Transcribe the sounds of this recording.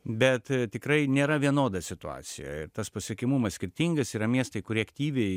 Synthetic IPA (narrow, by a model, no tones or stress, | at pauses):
bʲɛt̪t̪ʲɪkɾɐɪnʲeːɾɐʋʲiɛnoːd̪ɐsʲɪt̪ʊɑ̰ːsʲɪ̰jɛ̰ɪɾt̪ɐspɐsʲiɛkʲɪmumɐssʲkʲɪɾʲt̪ʲiŋɡɐsiːɾɐmʲiɛst̪ɐɪkʊɾʲiɛɐkt̪ʲiːʋʲɛɪ